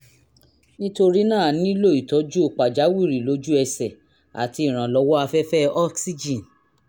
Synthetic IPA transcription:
nĩ˦to˧ɾi˦nãː˦˨nĩ˦lo˦˨i˨tɔ˨˦d͡ʒu˦o˧k͡pa˨d͡ʒa˨˦wi˦˨ɾi˨lo˨˦d͡ʒu˦ɛ˧sɛ˨ | a̰˨ti˧i˨ɾ̃ã˨lɔ˨˧˦wɔ˦a˧fɛ˦fɛ˦ɔ˦ksi˦d͡ʒĩ˨n

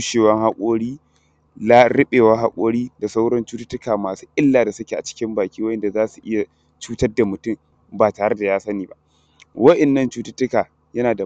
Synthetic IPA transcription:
ʃeː˨wɐ˦ŋɦa˦kʷʼoː˦ɽiː˦ | la˦ɽɪ˦ɓeː˨wa˦ɦa˦kʷʼoː˦ɽiː˦da˨sa˦wɽɔ˦nt͡ʃuː˦tʊ̥˦tːʊ˦kaː˨maː˨su̥ː˦ʔɪ˦lːaː˨da˨sʊ˦kʲe˨ʔa˨t͡ʃɪ̥˦kʲɪ˦mbaː˨kʲiː˦wɐ˦ʔɛ˨nda˨zaː˦su˨ʔɪ˦ja˨ | t͡ʃuː˦tɐ˦rda˨mʊ˨tʊ˦m | baː˨taː˨ɽɐ˦rda˨jaː˦sɐ˦niː˨ba˦ʔ | wɐ˦ʔɛ˨nːɐ˦nt͡ʃuː˦tʊ˦tːʊ˦kaː˨ | jɐ˦naː˨da˨

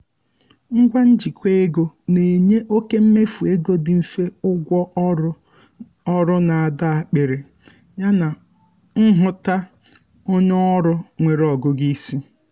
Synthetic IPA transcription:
ŋ̩˦ɡʷa˦n̩˦d͡ʒi˨kʷe˦e˦ɡo˦ne˨ɲe˦ʔo˦ke˦m̩˦me˦fu˨e˦ɡo˦dɪ˨m̩˨fe˦ʊ˦ɡʷɔ˦ | ɔ˦ɾʊ˦na˨a˨da˦a˨k͡pe˨ɾe˨ | ɲa˦na˨ | ŋ̩˦ɦʊ˦ta˦ | o˦ɲ˦ɔ˦ɾʊ˦ŋʷe˨ɾɔ˨ɡʊ˦ɡi˦si˦

